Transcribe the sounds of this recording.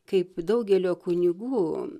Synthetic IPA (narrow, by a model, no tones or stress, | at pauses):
kɐɪpd̪ɐʊɡʲɛlʲoːkʊnʲɪɡuː